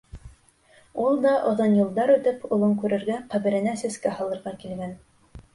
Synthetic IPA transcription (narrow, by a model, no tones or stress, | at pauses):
ulˠd̪ɑʔŏðɤnjulˠd̪ɑɾʉt̪ɘpŏlˠɤŋkʉɾɘ̆ɾɡæqæβɘ̆ɾɘ̆næsæ̆skæɦɑlˠɤ̆ɾʁɑkilɡæn